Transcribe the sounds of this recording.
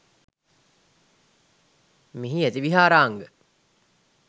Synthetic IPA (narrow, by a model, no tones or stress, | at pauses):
miɦiæt̪iʋiɦaːɾaːŋɡə